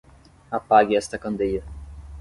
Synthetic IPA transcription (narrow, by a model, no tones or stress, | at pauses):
apaɡɪɛst̪ɐkɐ̃nd̪ejɐ